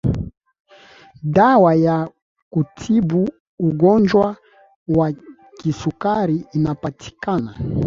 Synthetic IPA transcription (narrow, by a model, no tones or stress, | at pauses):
dawaja | kutʰibuː | ɡɔnd͡ʒwa | wa | kisukaɾiːnapatʰi̥kana